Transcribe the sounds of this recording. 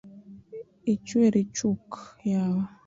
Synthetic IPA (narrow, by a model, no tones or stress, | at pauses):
it͡ʃweɾit͡ʃukjaw